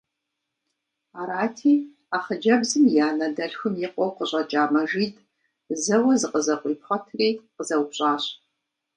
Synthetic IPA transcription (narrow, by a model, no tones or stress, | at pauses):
aːɾaːtʰiː | aːχəd͡ʒɐbzɨmjaːnɐdɐɬxʷʊmjɪqʷʼɔwqəɕʼɐt͡ʃʼaːmɐʒiːdʰʼ | zɐwɐzɨqʼəzɐqʷʼiːpχʷɔtʰriːqəzɐwpɕʼaːɕ